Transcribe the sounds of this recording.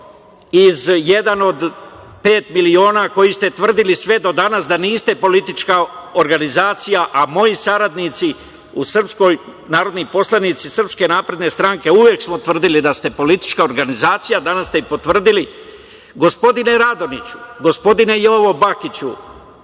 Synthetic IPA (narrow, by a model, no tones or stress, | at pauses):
izje̞d̪ano̞d̪pe̞ːt̪milio̞ːnako̞jist̪e̞t̪ʋr̩d̪ilisʋe̞d̪o̞d̪anasd̪aniːst̪e̞po̞lit̪it͡ʃkaoɾɡanizaːt̪sijaʔamo̞jisaɾad̪nit̪si | usr̩psko̞j | naːɾo̞d̪nipo̞slˠanit̪sisr̩pske̞naːpɾe̞d̪ne̞st̪ɾaŋke̞uʋjeksmot̪ʋr̩d̪ilid̪ast̪e̞po̞lit̪i̥t͡ʃkao̞ɾɡanizaːt̪sijad̪anasːt̪eipo̞t̪ʋr̩d̪ili | ɡo̞spo̞d̪ine̞ɾad̪o̞nit͡ɕu̥ɡo̞spo̞d̪ine̞joʋo̞bakit͡ɕṵ